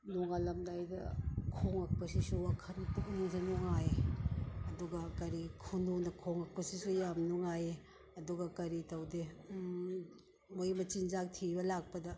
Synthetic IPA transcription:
nuŋalɐmdajdɐ̰kʰoŋɐk̚pɐsisuwakʰɐntuk̚niŋsenuŋaje | ɐduɡɐkɐɾikʰunonɐkʰoŋɐk̚pɐsisujamnuŋaje | ɐduɡɐkɐɾitɐwde | mojmɐt͡ʃinzak̚tʰibɐlak̚pɐdɐ

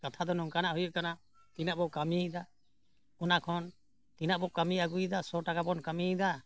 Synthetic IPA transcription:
kat̪ʰad̪ɔnɔŋkanaʔɦujut̪̚kana | t̪inaʔbɔkamiid̪a | ɔnakʰɔn | t̪inaʔbɔkamiaɡujd̪asɔʈakabɔnkamiid̪a

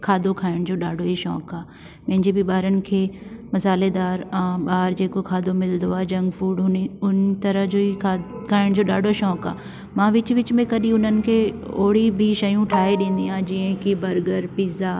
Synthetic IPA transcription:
kʰaːd̪okʰaːɪɽ̃d͡ʑoːɗaːɖʱoɦiʃɔ̰ːkaː | mɐ̃ɦɪ̃ɲd͡ʑebʱiɓaːɾənɪ̆kʰeːmɐsaːled̪aːɾãːɓaːɾd͡ʑeːkokʰaːd̪omɪld̪oaːd͡ʒɐ̃ŋɡfuːɖʊʊnt̪ɐɾəɦd͡ʑoːikʰaːɪɽ̃d͡ʑoːɗaːɖʱoʃɔːka̰ː | mãːʋɪt͡ʃʋɪt͡ɕmẽkɐɗĩʊn̤ənɪ̆kʰeːoːɽibʱiʃɐjũʈʰaːeɗẽːnd̪iãːd͡ʒɪːə̃kibɐɾɡəɾpiːzaː

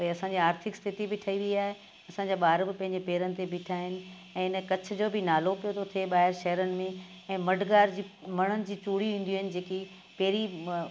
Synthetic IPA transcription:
pɐeɐsãːɲd͡ʑiaːɾt̪ʰɪkst̪ʰɪt̪ibɪʈʰəiʋiiaːɦe | ɐsãːɲd͡ʑaːɓaːɾbɪpɐ̃ɦɪ̃ɲd͡ʑepeːɾənɪ̆t̪ebɪːʈʰaːɦɪnɪ̆ | ɛ̃ːɪnkɐt͡ɕʰʊ̆d͡ʑoːbʱɪnaːlopijot̪ʰot̪ʰeɓaːɦɪɾʃɐɦəɾənɪ̆mẽ | ɛ̃ːmɐɖʱɡaːɾd͡ʑiːmɐɽ̃ənɪ̆d͡ʑiːt͡ɕuːɽiʋĩːn̆d̪iɦɪnɪ̆d͡ʑeːki | pɛːɾi

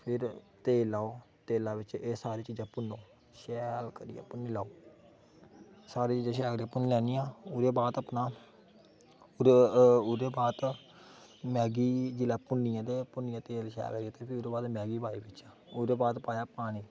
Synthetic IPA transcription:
pʰɪɾt̪eːlaːoːt̪eːlaːʋɪt͡ʃeːsaːɾeːt͡ʃiːd͡ʒãːpʊnːoː | ʃɛːlkəɾḭja̰ːpʊnːiːlaːoː | saːɾeːt͡ʃiːd͡ʒãːʃ̬ɛːkɾiãːpʊnilɛːnijãːʊɾeːbaːt̪əpnaː | ʊʊɾeːbaːt̪ | mɛːɡiːd͡ʒɪlaːpʊnːɪjãːd̪eːpʊnːɪjãːt̪eːlʃɛ̰ːkəɾijãːt̪eːpʰɪʊɾeːbaːt̪mɛːɡiːbaːiːbɪt͡ʃaː | ʊɾeːbaːt̪paːjaːpaːɽ̃iː

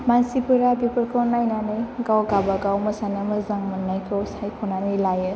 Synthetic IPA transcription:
mansipɯɾabipɯɾkʰɔnajnanɯjɡawɡabaɡawmɯsanamɯzaŋmɯnːajkʰɯwsajkʰɔnanɯlajɯ

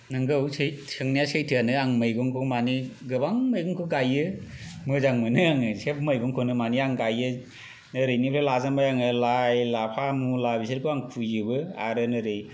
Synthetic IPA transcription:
nɯŋɡɯwsesɯŋnijasejtʰɯanɯaŋmɯjɡɔŋkʰɯmaniɡɯbaŋmajɡɔŋkʰɯɡajɯmɯzaŋmɯnɯaŋɯsep̚mɯjɡɔŋkʰɔnɯmaniaŋɡajɯ | nɯɾɯjnipʰɾelazambajaŋɯlajlapʰamulabisɯɾkʰɯaŋkʰujɯbɯa̰ɾɯnɯɾɯj

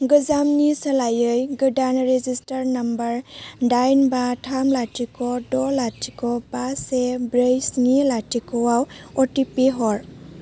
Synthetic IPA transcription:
ɡɯzamnisalajɯjɡɯdanɾezistəɾnɐmbəɾdajnbatʰamlatikɔdɔlatʰikɔbasebɾejsŋilatikɔwawɔtipeɦɔɾ

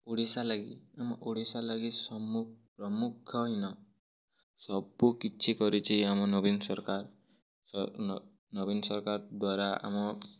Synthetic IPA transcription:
oɽisalaɡiamɔʔoɽisalaɡisɔmupɾɔmukʰɔɦinɔ | sɔbukit͡ʃʰikɔɾit͡ʃʰiamɔnɔbinsɔɾkaɾ | nɔbinsɔɾkaɾd̪waɾaa̰mɔ

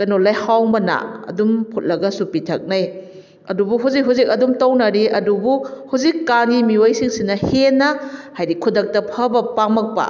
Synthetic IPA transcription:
kɐnolajhawmɐna̰ɐ̰dumpʰut̚lɐɡɐsupitʰɐk̚naj | ɐdubuɦuzik̚ɦuzik̚ɐdumtownɐɾiʔɐdubuhuzikːaŋimiojsiŋsinɐhenːɐhajɾikʰudɐk̚tɐpʰɐbɐpamɐk̚pɐ̰

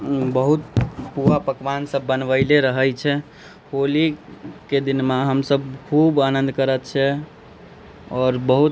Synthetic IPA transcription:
bəɦut̪puapəkʋansəbːənʋəɪleɾəɦəjt͡ʃʰɛ | holiked̪inmaɦəmsəbkʰubanənd̪ʱkəɾət̪̚t͡ʃʰɛ | ɔːɾbəɦut̪

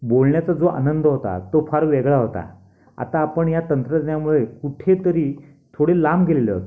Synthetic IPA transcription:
bolɳjat͡sad͡zoʔa̰nənd̪ʱəɦot̪a̰t̪ofaɾʋeɡɭaɦot̪a̰ | a̰t̪aːpəɳjat̪ənt̪ɾəd͡znjamuɭekuʈʰet̪əɾiː | t̪ʰoɽelamɡʱeleleɦo̰t̪a

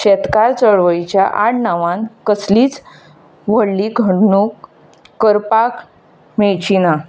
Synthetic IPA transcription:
ɕɛt̪kaɾt͡səɭʋəjt͡ɕjaʔaɽnaʋãnkəsliːt͡s | ʋəɽliɡʱəɽnukː | əɾpak | meɭt͡ɕina

